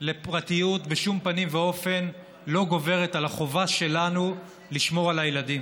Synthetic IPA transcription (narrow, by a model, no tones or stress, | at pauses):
le̞pʁatijutbeʃumpanimveo̞fe̞n | lo̞ɡo̞ve̞ʁetalhaχo̞vaʃe̞lanu | liʃmo̞ʁalajeladim